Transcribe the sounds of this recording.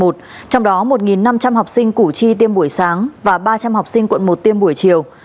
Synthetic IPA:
o˨˩t̚t͡ɕɔ˧wŋ͡mɗɔ˨˦mo˨˩t̚ŋi˨˩nːa˧mt͡ɕa˧mha˨˩wk͡p̚sï˧ŋ̟ku˧˩t͡ɕi˧t̪̬i˧əmɓu˧˩əjsaː˨˦ŋvaː˨˩ɓaː˧t͡ɕa˧mha˨˩wk͡p̚sï˧ŋ̟kwə̰˧˨nmo˨˩t̚t̪i˧əmɓu˧˩əjt͡ɕi˨˩əw

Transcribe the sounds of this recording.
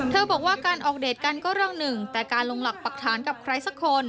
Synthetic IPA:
t̪ʰɤː˧bɔː˨˩k̚waː˥˩kaː˧nʔɔː˨˩k̚deː˨˩t̪̚ka˧nkɔː˥˩ɾɯ˥˩əŋnɯ˨˩ŋt̪ɛː˨˩kaː˧nlo˧ŋla˨˩k̚pa˨˩k̚t̪ʰaː˩˦nka˨˩p̚kʰɾa˧jsa˧˥kʰːo˧n

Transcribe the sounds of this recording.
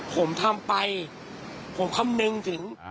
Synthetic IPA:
pʰo˩˦mt̪ʰa˧mpa˧j | pʰo˩˦mkʰa˧˥mnɯ˧ŋt̪ʰɯ˩˦ŋ

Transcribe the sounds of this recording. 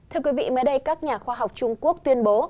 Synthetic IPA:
t̪ʰɨ˧kwi˨˦vḭ˧˨məː˨˦jɗə˧jkaː˦˥k̚ɲaː˨˩xwaː˧ɦa˨˩wk͡p̚t͡ɕʊ˧ŋ͡mku˦˥ək̚t̪wi˧ənɓo˨˦

